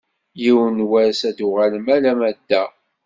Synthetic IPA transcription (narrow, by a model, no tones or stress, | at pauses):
jiwnwæɾsæd̪uʁalmælæmæd̪ːæ